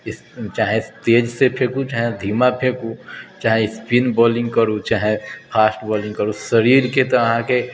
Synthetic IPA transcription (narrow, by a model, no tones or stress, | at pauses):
ɪs | t͡ʃaːɦẽst̪eːd͡ʒsepʰeːkũt͡ʃaːɦẽd̪ʱiːmapʰeːkut͡ʃaːɦẽɪspinbɔːlɪ̃ŋɡkəɾut͡ʃaːɦẽpʰaːsʈbɔːlɪ̃ŋɡkəɾusəɾiːɾket̪oɐɦãke